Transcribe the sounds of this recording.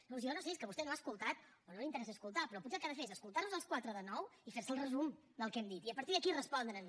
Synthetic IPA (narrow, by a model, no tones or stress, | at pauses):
nõsjɔnoseskəβust̪ɛnoaskulˠt̪at̪̚ | onolint̪əɾɛsəːskulˠt̪apɾɔputsɛkaðəfeezəskulˠt̪arnuzəlˠskwat̪ɾəðənɔwifeɾsəlˠrəzum | d̪əlˠkɛmd̪it̪iəpəɾt̪iðəkirəspɔnd̪ɾən